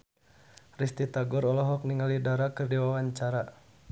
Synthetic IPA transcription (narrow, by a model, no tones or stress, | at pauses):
rist̪it̪aɡɔɾɔlɔɦɔk̚niŋalidaɾakərdiwawaɲt͡ʃaɾa